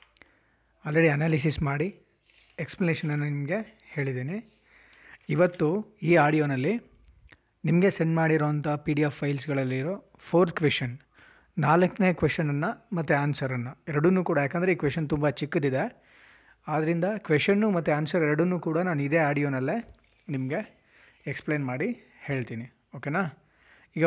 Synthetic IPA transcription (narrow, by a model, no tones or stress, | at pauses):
ɐlɾeɽiɐnaːlisismaːɽi | eksplɐneʂɐnɐnːɐnimɐɡe̞ | he̞ːɭid̪ːeːni | iʋɐt̪ːuiːaːɽijoːnɐlːi | nimɐɡe̞seɳɖmaːɽiɾoːɐnt̪ʰɐpiːɽijapʰːɐjlsɡɐɭɐlːiːɾo̞ː | pʰoːɾt̪kʋeʂʈɐn | naːlɐkne̞ːkʋeʂʈːɐnɐnːɐmɐt̪ːuaːnsɐɾɐnːɐɛɾɐɽunːuːkuːɽɐjaːkɐnd̪ɾeiːkʋeʂɐnt̪umbɐt͡ʃikːɐd̪id̪e̞ | aːd̪ɐɾind̪ɐkʋeʂɐnːumɐt̪ːuaːnsɐɾɛɾɐɽunːuːkuːɽɐnaːnuid̪e̞ːaːɽijoːnɐlːe | nimɐɡe̞ | ekspɭeːnmaːɽi | he̞ːɭt̪iːni | oːkeːnaː | iːɡɐ